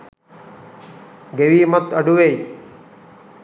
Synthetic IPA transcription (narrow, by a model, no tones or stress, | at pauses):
ɡeʋiːmət̪əɖuʋei